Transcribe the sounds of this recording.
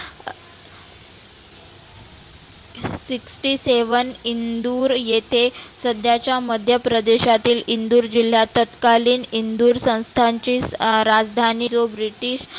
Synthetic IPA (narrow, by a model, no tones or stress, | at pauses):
siksʈiːseʋənind̪uːɾjet̪ʰesəd̪ʱjat͡ɕjaməd̪ʱjəpɾəd̪eɕat̪iːlind̪uːɾd͡ʑil̤jat̪ət̪kaliːnind̪uːɾsə̃w̃st̪ʰaɲt͡ɕiːɾad͡zd̪ʱaniːt͡sobɾiʈiːɕ